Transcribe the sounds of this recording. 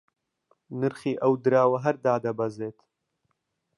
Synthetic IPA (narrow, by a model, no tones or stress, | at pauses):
nɨɾxiːʔɐwd̪ɨɾaːwɐɦɐɾd̪aːd̪ɐbɐzeːt̪